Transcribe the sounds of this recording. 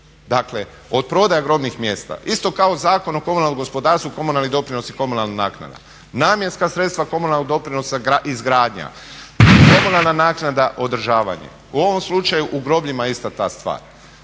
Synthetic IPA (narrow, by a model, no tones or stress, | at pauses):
d̪akle | o̞d̪̚pɾo̞d̪ajaɡɾo̞bnixmjeːst̪a̰ʔist̪o̞kao̞zaːko̞noko̞munalnomɡo̞spo̞d̪aːɾst̪ʋuko̞munalnid̪o̞pɾino̞siko̞munalˠnanaːkna̰d̪a̰ | naːmjenskasɾet̪st̪ʋako̞munalːoɡd̪o̞pɾino̞saaizɡɾaːd̪ɲa̰ | ko̞munalˠnanaːknad̪aʔo̞d̪ɾ̩ʒaːʋa̰ɲḛ | uo̞ʋo̞mslut͡ʃajuʔuɡɾo̞bʎimaist̪at̪a̰ːst̪ʋa̰ːɾ